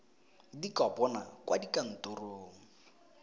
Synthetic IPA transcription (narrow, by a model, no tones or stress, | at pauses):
dikɔpʼɔnakwʔadikʼan̩tʊroːŋ̩